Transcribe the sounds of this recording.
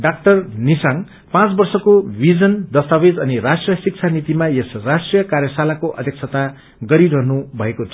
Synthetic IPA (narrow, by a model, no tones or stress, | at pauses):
ɖak̚ʈʌrnisaŋ | pãt͡sbʌrsʌkobʱid͡zʌnd̪ʌst̪abed͡zʌnirasʈrijʌsik̚t͡sʰanit̪imajesrasʈrijʌkarjʌsalakoʔʌ̰d̪ʱjʌkt͡sʰʌt̪a | ɡʌɾiɾʌɦnubʱʌekot͡sʰʌ